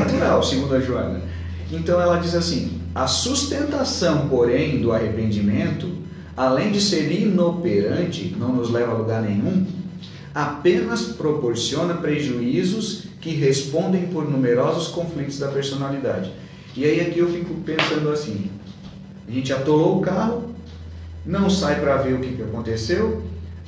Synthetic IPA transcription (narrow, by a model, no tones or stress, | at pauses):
at̪uɾawsɪɡũnd̪ɐʒuɐ̰̃nɐ | ẽnt̪ɐ̃w̃ɛlɐd͡ʒizasĩ | ɐsust̪ẽnt̪asɐ̃w̃poɾẽj̃d̪ʊahepẽnd͡ʒimẽnt̪ʊ | alẽj̃d͡ʒɪseɾinopeɾɐ̃nt͡ʃɪ̰nɐ̃w̃nʊzlɛvɐaluɡaɾnẽj̃ũ | apẽnɐspɾopoɾsiõnɐpɾeʒuizʊs | kɪɦespõnd̪ẽj̃poɾnũmeɾɔzʊskõflit̪ʊzd̪ɐpeɾsonalid̪a̰d͡ʒɪ | ɪaiakiewfikʊpẽsɐ̃nd̪ʊasĩ | aʒẽnt͡ʃɪat̪olowʊkaɦʊ | nɐ̃w̃sajpɾɐveɾʊkɪkɪakõnt̪esew